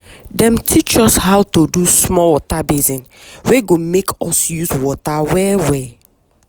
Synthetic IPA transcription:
dɛ̃mtʰit͡ʃɔshawtodusmɔwɔtabezĩn | wɛɡomekʰɔsjuzwɔtawɛwɛ

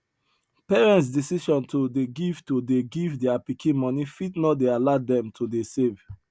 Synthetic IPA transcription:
pɛɹɛ̃nts̬disiʃɔ̃ntʰodeɡivtudeɡivdɛapikʰĩnmɔnifitnɔt̚dealadɛ̃mtʰudesev

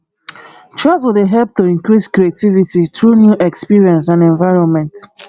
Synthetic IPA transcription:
tɹavldeɦɛlp̚toĩŋkɹiskɹietivititɹunjuʔɛkspiɹiɛ̃ns̬ãnɛ̃ɱvaɪɹɔ̃nmɛ̃nt

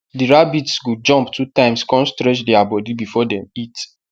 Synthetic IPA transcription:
diɹabitsɡud͡ʒɔ̃mptʰutãɪ̃mskɔ̃nstɹɛt͡ʃdɛabɔdibifɔdɛ̃mit

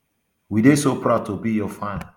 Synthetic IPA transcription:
widesopɹaʊtʰobijɔfãn

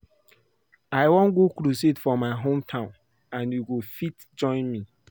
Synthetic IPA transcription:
aɪwɔ̃nɡokɾusetfɔmaɪɦõmtʰãʊ̃n | ãnjuɡofit | d͡ʒɔ̃ɪ̃nmi

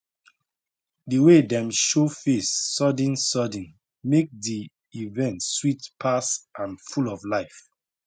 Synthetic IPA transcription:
diwedɛ̃mʃofesːɔdə̃nsɔdə̃n | mek̚di | ivɛ̃ntswitpʰasãnfulɔvlaɪf

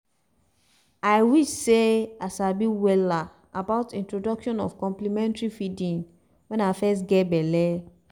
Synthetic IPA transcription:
ajwiʃseasabiwɛla | abaʊtĩntɹodɔkʃɔ̃nɔ̰fkɔ̃mplimɛ̃ntɹifidĩn | wɛ̃nafɛs̬tɡɛbɛlɛ

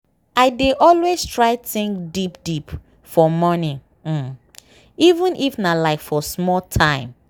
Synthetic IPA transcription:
aɪdeʔɔlwez̥tʰɹaɪθĩŋkdipdip | fɔmɔni | ivũnʔifnalaɪkfɔsmɔltʰãɪ̃m

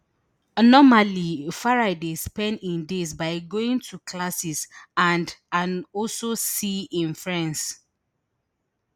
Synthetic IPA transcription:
nɔmalifaɹaɪdespɛ̃ndĩndesbaɪɡoĩŋtʰukʰlasisãndãnɔlsosiĩnfɹãns

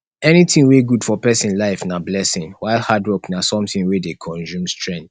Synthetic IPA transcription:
ɛnitĩŋweɡud̥fɔpɛsĩnlaɪfnablɛsĩŋwaɪlˠhadɹoknasɔ̃mtĩŋwedekʰɔ̃nzũmstʰɹɛ̃nt

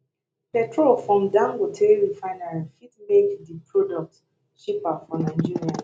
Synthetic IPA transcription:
pɛtʰɹolfɹɔ̃mdãŋɡotʰeɹifãɪnalifitmekdipʰɹɔdɔk̚t | ʃipafɔnaɪd͡ʒiɹia

